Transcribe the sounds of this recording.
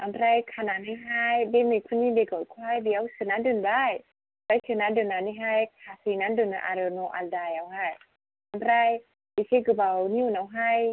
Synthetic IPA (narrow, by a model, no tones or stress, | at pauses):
ʔamɾajkʰananiɦajbemikʰunideɡɔkʰuajbiawsɯnadɯnbaj | bajsɯnandɯnaniɦajkʰasinandɯnaʔa̰ɾɯnoʔaldajawɦaj | ʔamɾaj | bikeɡɯbawniwnawɦaj